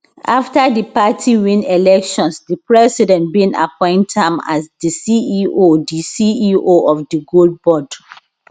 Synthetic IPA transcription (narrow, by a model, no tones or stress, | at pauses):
ʔaftadipatʰiwĩnɛlɛkʃɔ̃nsdipɹɛsidɛ̃ntbĩna̰pɔ̃ɪ̃ntãma̰sdisiiodisiioɔfdiɡold̚bɔd